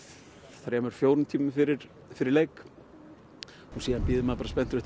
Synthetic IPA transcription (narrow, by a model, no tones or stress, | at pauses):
θaɾjɛmɛɾ̥fjoːwɾʏnt̪ʰiːmʏfɪɾɪɾ̥ | fɪɾɪɾlejk | hunsiːðanpɪːðɪmapaɾas̬pɛn̥t̪ʏɾʏht̪